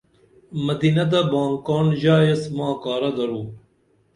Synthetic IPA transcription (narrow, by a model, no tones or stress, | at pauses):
mɐd̪iːnɐd̪ɐbaːŋkaːnʑaːjɐsmãːkaːɾɐd̪ɐɾuː